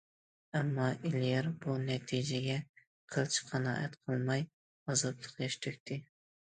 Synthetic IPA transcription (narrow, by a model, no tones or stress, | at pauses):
ɛmːɑʔilijɛɾbunɛt̪ʰid͡ʒɛɡʲɛ | qʰəlˠt͡ʃʰqʰɑnɑ̰ːʔɛ̰t̪qʰəlˠmɑj | ɑzɑt̪lˠəqjɛʃt̪ʰykʲt̪ʰɪ